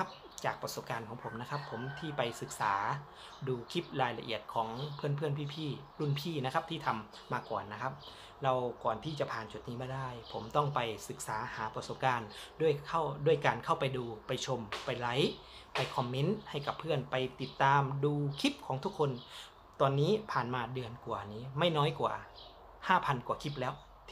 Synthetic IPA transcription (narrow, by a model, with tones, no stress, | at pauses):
a˦˥p̚ | t͡ɕaː˨˩k̚pɾa˧so˨˩p̚kaː˧nkʰɔː˩˦ŋpʰo˩˦mna˦˥kʰa˦˥pʰːo˩˦mt̪ʰiː˥˩pa˧jsɯ˨˩k̚saː˩˦ | duː˧kʰi˦˥p̚ɾaː˧jla˧ʔḭ˨˩ət̪̚kʰɔː˩˦ŋpʰɯ˥˩ənpʰɯ˥˩ənpʰiː˧˩pʰiː˥˩lu˧˥˩npʰiː˥˩na˦˥kʰa˦˥p̚t̪ʰiː˥˩t̪ʰa˧mː | aː˧kɔ̰ː˨˩nːa˦˥kʰa˦˥p̚ | ɾa˧wkɔː˨˩nt̪ʰiː˥˩t͡ɕa˨˩pʰaː˨˩nt͡ɕu˨˩t̪̚niː˦˥maː˧˩daː˥˩jpʰo˩˦mt̪ɔ˥˩ŋpa˧jsɯ˨˩k̚saː˩˦haː˩˦pɾa˧so˨˩p̚kaː˧ndu˥˩əjkʰa˥˩wdu˥˩əjkaː˧nkʰa˥˩wpa˨˧jduː˧pa˧jt͡ɕʰo˧mpa˧jla˦˥j | pa˧jkʰɔ˧mːe˦˥nha˧˥˩jka˨˩pʰɯ˥˩ənpa˧jt̪i˨˩t̪ːaː˧mduː˧kʰi˦˥p̚kʰɔː˩˦ŋt̪ʰu˦˥kʰːo˧n | t̪ɔː˧nːiː˦˥pʰaː˨˩nmaː˧dɯ˧ənku˨˩əniː˦˥ma˥˩jnɔː˦˥jkwa̰ː˨˩ | haː˥˩pʰa˧nkwaː˨˩kʰi˦˥p̚lɛː˦˥wʰ